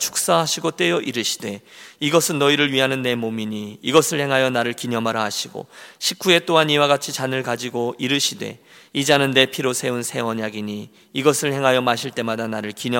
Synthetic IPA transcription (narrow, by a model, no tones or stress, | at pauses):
t͡ɕʰu̥k̚s͈aɦaɕʰiɡot͈we̞jʌʔiɾɯɕʰi̥de̞iɡʌsʰɯnːʌiɾɯɭɥiɦanɯnːe̞momiɲiiɡʌsʰɯɭhe̞ŋɦajʌnaɾɯɭkiɲʌmaɾaɦaɕʰiɡo̰ɕʰip̚k͈ue̞t͈oɦaniwaɡat͡ɕʰit͡ɕanɯɭkad͡ʑiɡoiɾɯɕʰide̞̰ | id͡ʑanɯnːe̞pʰiɾosʰe̞unsʰe̞ʌɲaɡiɲiː | ɡʌsʰɯɭhe̞ŋɦajʌmaɕʰiɭt͈e̞madanaɾɯɭkiɲʌ